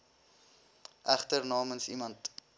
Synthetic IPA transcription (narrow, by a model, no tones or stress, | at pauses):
ʔæχtərnɑːmənsimɐnt